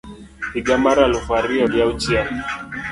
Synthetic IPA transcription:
iɡamaɾalufaɾiɔjaut͡ʃia

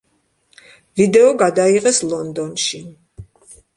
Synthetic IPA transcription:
vid̪ɛɔɡad̪aiʁɛslˠɔnd̪ɔnʃi

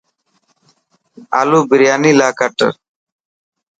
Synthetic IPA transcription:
a̰ːluːbɪɾjaːniːlaːkəʈə̰

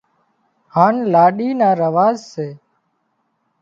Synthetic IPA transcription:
haːnlaːɗiːnaːɾəʋaːzseː

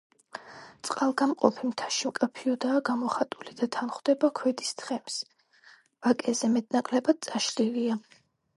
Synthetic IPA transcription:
t̪sʼqʼalˠɡamqʼɔ̰pʰimt̪ʰḁʃimkʼapʰiɔd̪aːɡamɔχat̪ʼulid̪at̪ʰanχwd̪̥ɛbakʰwɛd̪ist̪ʰχɛms | v̥akʼɛzɛmɛt̪ʼnakʼlɛbad̪̥̚t̪sʼaʃlilia

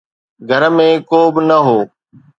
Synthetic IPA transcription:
ɡʱəɾmẽkoːbɪnəɦoː

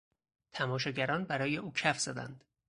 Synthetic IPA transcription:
t̪ʰæmɒːʃɒːɟæɾɒːnbæɾɒːje̞uːcʰæfz̥ɒd̪æ̰nd̪̥

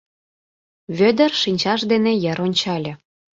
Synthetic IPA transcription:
βød̪ərʃinʲt͡ɕɑʃd̪enejə̆ɾonʲt͡ɕɑlʲɤ̆

